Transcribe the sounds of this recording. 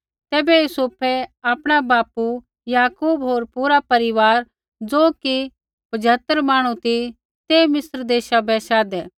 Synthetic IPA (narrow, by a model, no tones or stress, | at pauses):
t̪ɛːbɛjusʊpʰɛaːpɽ̃abaːpu | jaːkuːbɦoːɾpuːɾapɐɾɪʋaːɾ | d͡zoːki | bɐd͡ʒʱaːt̪ːəɾmaːɽ̃ũt̪i | t̪eːmɪsɾd̪eːʃabɛʃaːd̪ɛː